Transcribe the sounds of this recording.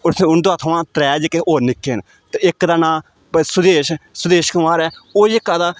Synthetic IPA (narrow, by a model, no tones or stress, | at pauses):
ʊɾt̪ʰẽːʊnd̪ʊaːt̪ʰəʋãːt̪ɾɛːd͡ʒkeʔoːnɪkːeːn | t̪eɪkːd̪aːnãː | pəsʊd̪eːʃsʊd̪eːʃkəmaːɾɛːoːd͡ʒɪkːaːd̪aː